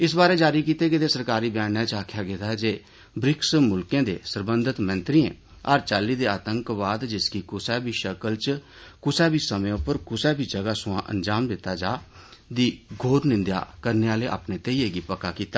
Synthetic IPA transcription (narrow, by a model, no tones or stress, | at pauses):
ɪsbaːɾeːd͡ʒaːɾiːkiːt̪eːɡeːt̪eːsəɾkaːɾiːbjaːnãːt͡ʃaːkʰjaːɡet̪aːd͡ʒeː | bɾɪksmʊlkẽːd̪ḛːsəɾbənd̪ʱət̪mə̃nt̪ɾiːḛ̃ː | əːɾt͡ʃaːlːiːd̪eːaːt̪əŋkʋaːd̪d͡ʒɪskiːkʊsɛːbiːʃəkəlt͡ʃ | kʊsɛːbiːsəmẽʊpəɾkʊsɛːbʱiːd͡ʒəɡaːsʊãːʔə̰nd͡ʒaːmd̪ɪt̪ːaːd͡ʒaːd̪iːɡʱoːɾnɪ̃nd̪ja̰ːkəɾneːaːleːʔa̰ːpneːt̪eːieːɡiːpəkaːkiːt̪aː